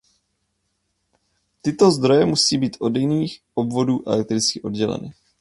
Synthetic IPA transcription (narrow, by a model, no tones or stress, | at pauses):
t̪ɪt̪o̞zd̪ɾo̞jɛmusiːbiːt̪ʔo̞djɪniːxʔobvo̞duːʔɛ̰lɛk̚t̪ɾɪt͡skɪʔo̞dɟɛlɛ̰nɪ̰